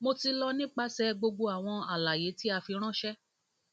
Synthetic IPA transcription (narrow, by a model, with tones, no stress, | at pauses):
mo˧ti˧lɔ˧nĩ˦k͡pa˦sɛ˧ɡ͡bo˧ɡ͡bo˧a˨w̃ɔ̃˧a˨la˨je˨˦ti˦a˧fi˧ɾ̃ã˦ʃɛ˦